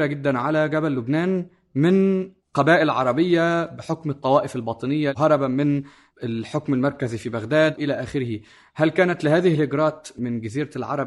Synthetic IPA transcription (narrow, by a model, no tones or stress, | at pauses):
ɾaɡɪd̪ːanʕalaɡabælːʊbnaːn | mɪn | qɑbaːʔɪlʕɑ̰ɾˤɑbɪjːabɪħʊkmɨt̪ˤːɑwɑːʔɪfɪlbɑːt̪ˤɨnɪjːaɦɑɾˤɑbamɪn | ɪlħʊkmɪlmɑɾˤkazifibaɣd̪aːd̪ʔɪlaʔaːxɪɾɪhɪ | halkaːnat̪lɪhaːðɪhɪlhɪɡɾˤɑːt̪mɪnɡɪziːɾalʕɑ̰ɾˤɑb